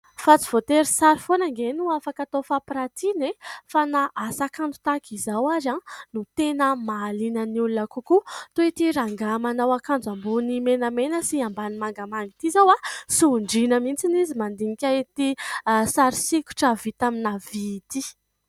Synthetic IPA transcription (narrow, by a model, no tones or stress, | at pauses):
fat͡si̥v̥ot̪eɾisaɾifonaŋɡenuafakat̪ofapiɾat̪inefanaʔasakand͡zu̥t̪akizawaɾanut̪enəmaːlinəniulunakukut̪oit̪iɾaŋɡamanawakand͡zambunimenəmenəsiambanimaŋɡamaŋɡit̪izawasuɳɖ͡ʐinəmint͡sinizimand̪iŋikʲait̪isaɾisikʲu̥ʈ͡ʂəvit̪aminavit̪i